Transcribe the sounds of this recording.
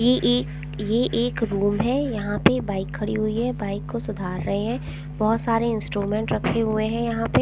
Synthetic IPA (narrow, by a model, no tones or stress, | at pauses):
jeʔːk | jeʔeːkɾuːmɦɛjɐɦãpebaːɪkʰːɐɽiɦʊiɦɛbaːɪkːosʊd̪ʱaːɾːɐɦeɦɛ̃ | bɔɦʊt̪saːɾeɪ̃nsʈɾuːmẽːɳʈɾɐkʰːeɦʊeɦɛ̃jɐɦãpe